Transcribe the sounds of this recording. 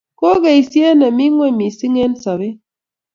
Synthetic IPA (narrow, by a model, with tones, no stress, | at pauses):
ko˦ɣa˨i˨sje˦na˨mi˦ŋwɛ˦˨mi˨si˦ŋe˦nsa˨βi˦